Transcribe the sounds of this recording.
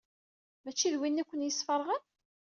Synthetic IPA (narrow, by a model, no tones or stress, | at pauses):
mæt͡ʃːiðwinːækʷːənjəsːfəɾˤʁən